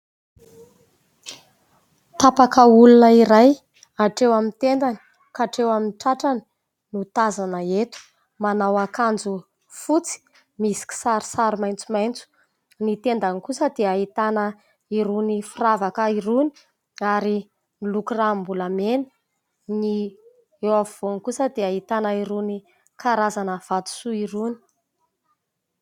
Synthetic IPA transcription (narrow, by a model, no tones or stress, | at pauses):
t̪apakəulunəiɾaj | aʈ͡ʂewamint̪end̪ani̥ | kaʈ͡ʂewaminʈ͡ʂaʈ͡ʂani̥ | nut̪azanəet̪u̥ | manawakand͡zu | fut͡si̥ | misi̥kʲi̥saɾi̥saɾimajnt͡sumajnt͡su̥ | nit̪end̪anikusəd̪eaɦit̪anə | iɾunifiravakəiɾuni̥ | aɾi | nilukrambulameni̥ | ni | ewavv̥onkusəd̪eaɦit̪anəiɾuni | kaɾazanəv̥at̪u̥suiɾuni̥